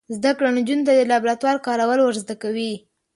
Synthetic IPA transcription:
zd̪akɽand͡ʒunt̪ad̪əlɑbɾat̪wɑlkɑɾawəlwəɾzd̪akawi

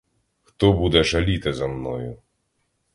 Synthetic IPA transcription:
xt̪ɔbud̪ɛʒɐlʲit̪ɪzɐmnɔ̰jʊ

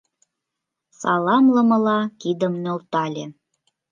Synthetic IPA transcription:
sɑlɑmlɤ̆mɤ̆lɑkid̪əmnʲolt̪ɑlʲe

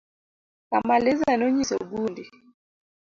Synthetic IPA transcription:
wamalɛzanɔɲisɔɡundi

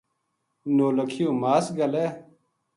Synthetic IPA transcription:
noːlɐkʰijomaːsɡɐleː

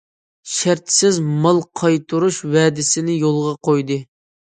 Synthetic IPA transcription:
ʃæɾt̪sɪzmɑlˠqʰɑjt̪ʰuɾuʃwɛːd̪ɪsɪnɪjolˠʁɑqʰojd̪ɨ

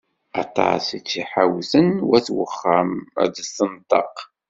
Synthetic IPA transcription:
ɑt̪ˤɑ̰sit͡sːiħawθənwæθwə̰χːamə̰dəsənt̪ˤɑ̰q

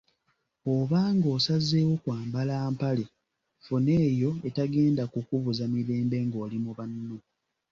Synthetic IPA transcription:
oβaːŋɡo̞ːsazːe̞ːwo̞kwaːmbalaːmpale | fune̞ːjo̞etaɡe̞ːndakukuβuzamiɾe̞ːmbe̞ŋɡoːlimuβanːo

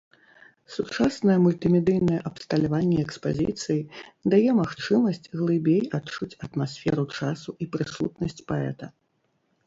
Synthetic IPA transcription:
sut͡ʂasnɐjɛmulʲt̪ɨmʲɛd̪ɨjnɐjɛʔɐpst̪ɐlʲavanʲːɛɛkspazʲḭt̪sɨjid̪ajɛmaxt͡ʂɨmɐsʲt͡sʲɣlˠɨbʲejat͡ʂut͡sʲɐt̪masʲfʲɛɾut͡ʂasuipɾɨsut̪nɐsʲt͡sʲpaɛ̰t̪ɐ

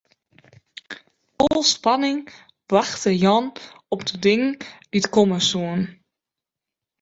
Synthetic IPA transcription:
olˠspanɪŋ | b̥raxtəjɔnɔpd̥ədɪŋəŋd̥itkoməsuən

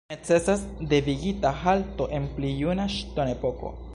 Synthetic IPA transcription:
met͡sesasd̪eβiɡit̪axalt̪oʔemplijunaʃt̪onepoko̰

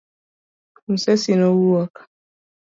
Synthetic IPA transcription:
m̩sɛsinɔwuakḁ

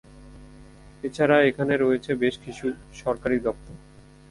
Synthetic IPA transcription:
et͡ɕʰaɾaekʰaneɾoet͡ɕʰebeʃkiʃuʃɔɾkaɾid̪ɔp̚t̪oɾ

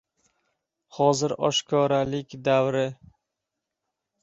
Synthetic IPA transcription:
hɒzɪɾɒ̰ʃkʰɒɾalɪkʲd̪awɾɪ

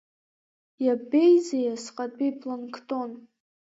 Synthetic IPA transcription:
jabejzejasqʼatʼbipʰlonkʰtʼon

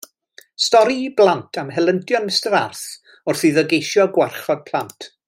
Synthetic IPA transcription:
stɔɾiblˠantʰamɦɛlˠəntʰjɔnəstəðarθ | ʊrθiðəɡejʃjɔɡwɛrχɔd̚pʰlˠantʰ

